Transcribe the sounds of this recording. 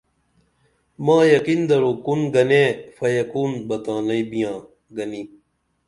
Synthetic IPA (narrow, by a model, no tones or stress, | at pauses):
mãːjɐqind̪ɐɾoːkunɡɐneːfɐjɐkuːnbɐt̪ãːnɐibijãː | ɡɐni